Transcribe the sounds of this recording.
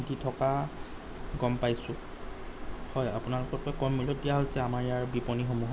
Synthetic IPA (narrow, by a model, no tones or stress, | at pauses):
ditʰɔka | ɡɔmpajsʊ̃ | hɔjapʊnalʊkɔkɔjkɔmːilɔt̚dijaɦosɛamaɹɛjaɹbipɔnixomuɦa